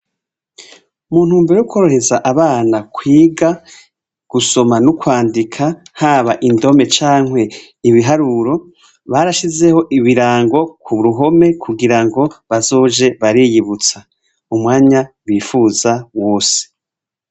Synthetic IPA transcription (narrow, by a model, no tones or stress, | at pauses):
umuːn̥huːmbe̞ɾejukʰoɾohe̞zaʔaβaːnakʰwiːɡa | ɡ̥uso̞manukwaːndikʰahaːβaʔindo̞me̞t͡ʃaːŋwe̞ | iβiɦaɾuɾo̞ | βaɾaʃize̞ho̞ʔiβiɾaːŋɡo̞kʰuβuɾuɦo̞me̞kʰuɡiɾaŋɡo̞βazo̞ːʒe̞βaɾijiβut͡sa | umŋaːɲa | wiːfuzawo̞ːse̥